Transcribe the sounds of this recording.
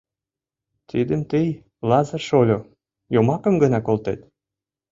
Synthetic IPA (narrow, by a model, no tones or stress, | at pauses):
t̪id̪əmt̪əj | lɑzərʃolʲo | jomɑkə̆mɡə̆nɑkolt̪ḛt̪